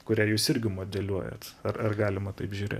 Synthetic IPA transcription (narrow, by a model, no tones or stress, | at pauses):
kʊɾʲæːjuːsɪɾʲɡʲɪmoːd̪ʲɛlʲuɔjɛ̰t̪ɐrɐrɡɑːlʲɪmɐt̪ɐɪpʒʲuːɾʲḛːt